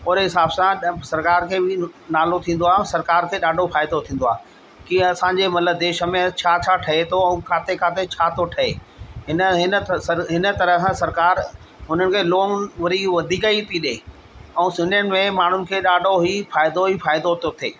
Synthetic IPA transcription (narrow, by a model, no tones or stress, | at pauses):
oːɾeɦɪsaːbsãsɐɾkaːɾkʰeːbɪnaːlot̪ʰĩːn̆d̪oaːɦɛ̃sɐɾkaːɾkʰeːɗaːɖʱofaːɪd̪ot̪ʰĩːn̆d̪oaːɦ | kĩɐsãɲd͡ʑemɐt̪ləb̚d̪eːʃə̆mẽt͡ɕʰaːt͡ɕʰaʈʰɐɦet̪ʰoɛ̃ːkʰaːt̪ekʰaːt̪et͡ɕʰaːt̪ʰoʈʰɐeː | ɦɪnəɦɪnəɐɦɪnə̆t̪ɐɾəsãsɐɾkaːɾ | ɦʊn̤ənɪ̆kʰeːloːŋʋɐɾiʋɐd̪ʱikəit̪ʰiɗeː | ɛ̃ũsʊnjənɪ̆mẽmaːɳ̤ʊnɪ̆kʰeːɗaːɖʱoɦifaːɪd̪oɦifaːɪd̪ot̪ot̪ʰeː